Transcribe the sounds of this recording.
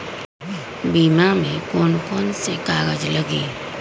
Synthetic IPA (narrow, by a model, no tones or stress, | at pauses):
biːmamẽkoːnkoːnsekaːɡəd͡ʒləɡiː